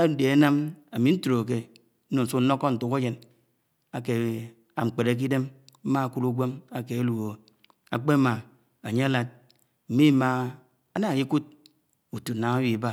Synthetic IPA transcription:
a˦de˨a˦na˦ma˨mi˨˦n̩˦tu˨ɾo˨k̬e˦ | n̩˦o˨n̩˨su˦n˦no˦kːɔ˦n̩˨tu˨˦ka˦d͡ʒe˨n | a˨ke˨ | a˨ŋ͡m̩˨k͡pe˨ɾe˦k̬i˦de˦mm̩˦ma˦a˨ku˦ɾu˦ɡʷe˦ma˨ke˨a˦lu˨o˨ | a̰˨k͡pe˦ma˨ | a˨ɲe˦a˦la˦t̚ | m̩˨mi˦ma˨ | a˦na˦˨ji˦ku˦t̚ | u˨tu˨na˨ŋa˦wi˨ba˦

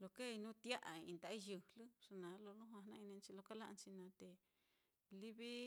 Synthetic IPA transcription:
lo˧˨ke˦i˧nũ˦t̪ja˦ʔa˨i˧ĩ˧d̪a˨˦i˦˧jɨ˧˨lɨ˦ʂa˧nã˨˦lo˧lũ˦ɦã˧nã˧ĩ˧nĩ˧nt͡ʃi˧lo˧ka˦la˦ʔnt͡ʃi˧nã˧t̪e˨ | li˦βi˦

